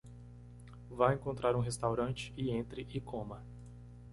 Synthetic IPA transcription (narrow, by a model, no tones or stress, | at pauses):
vajẽŋkõnt̪ɾaɾũɦest̪awɾɐ̃nt͡ʃɪ̥ɪẽnt̪ɾɪʔɪkʰõmɐ